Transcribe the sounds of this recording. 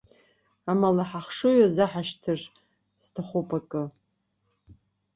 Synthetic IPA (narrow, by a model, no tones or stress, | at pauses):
amalaħaχʂɨjozaħaʃtʰɨr | stʰaχʷupʼakʼɨ